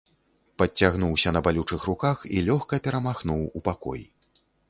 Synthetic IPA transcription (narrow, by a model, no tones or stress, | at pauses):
pɐt͡sʲːaɣnuwsʲɐnɐbalʲut͡ʂɨxrukaxilʲɔxkɐpʲɛɾɐmaxnuwupakɔ̰jḭ